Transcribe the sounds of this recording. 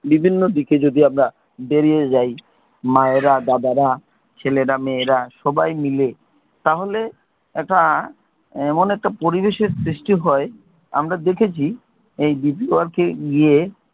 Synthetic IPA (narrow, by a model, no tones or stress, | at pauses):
bibʱinːod̪iked͡ʑod̪iamɾa | beɾied͡ʑaj | maeɾad̪ad̪aɾa | t͡ɕʰeleɾameɾaʃɔbajmile | t̪aɦole | ɛk̚ʈa | ɛmonɛk̚ʈapoɾibeʃeɾsɾiʃʈiɦɔe | a̰mɾad̪ekʰet͡ɕʰi | ejbipioaɾkeɡie